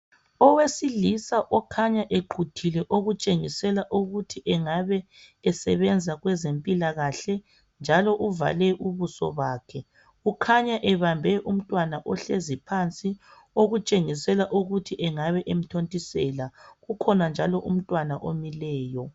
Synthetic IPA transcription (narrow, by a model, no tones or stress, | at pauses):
ɔwesilisaʔɔkʰaɲaʔeɡ͡ǃʰʱutʰilɛʔoɣut͡ʃʼeŋisɛlaʔuɣutʰiʔɛŋaβɛː | sɛβɛnd͡zʱaɣwɛzempʼilaɣaɬɛ | nd͡ʒʱalɔʔuva̰lɛʔuβusɔ̰βaːkʰɛ | ukʰaɲaʔɛβambʱɛʔum̩tʼwanaʔɔɬezipʰant͡sʼi | oɣut͡ʃʼeŋisɛlaʔuɣutʰiʔɛŋaβɛʔem̩tʰontʼisɛlaɣukʰɔnand͡ʒʱalɔʔum̩tʼwanaʔomilɛːjɔ